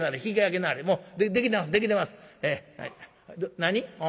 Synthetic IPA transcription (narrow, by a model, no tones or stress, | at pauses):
naɾeçʲikajak̬enaɾemoːd̪ed̪ekʲit̪emasɨd̪e̞kʲit̪e̞masɨ̥ena̰i | d̪naɲ̟iõ